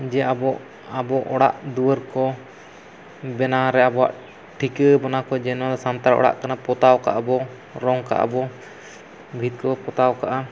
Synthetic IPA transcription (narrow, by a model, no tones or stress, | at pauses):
d͡ʒɛabɔʔ | abɔʔɔɽa̰ʔd̪uəɾkɔ | bɛnaɾɛabɔa̰ʔ | ʈʰikəbɔnakɔd͡ʒɛnwad̪ɔsant̪aɾɔ̰ɽa̰ʔkanapɔt̪awka̰ʔabɔ | ɾɔŋka̰ʔa̰bɔ | bʱit̪̚kɔpɔt̪awkaʔa